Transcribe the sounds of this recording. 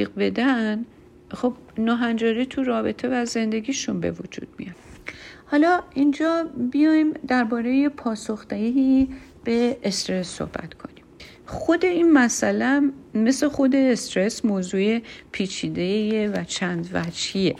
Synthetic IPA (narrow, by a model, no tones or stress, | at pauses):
ibe̞d̪æn | xo̞b̥̚nɒːɦænd͡ʒɒːɾit̪ʰuɾɒːbe̞t̪ʰe̞væze̞nd̪e̞ɡiːʃunbe̞̰vo̰d͡ʒṵd̪̥̚mḭjɒthɒːlɒːind͡ʒɒːbijɒːimd̪æɾbɒːɾe̞jepʰɒːso̞xd̪̥eɡii | b̥e̞est̪ɾe̞sːo̰hb̥æ̰t̪kʰo̞̰nim | xo̞d̪e̞inmæsælæmme̞sexo̞d̪e̞ːst̪ɾe̞smoːzuːepʰiːt͡ʃʰiːd̪ejevæt͡ʃʰænd̪væd͡ʒhie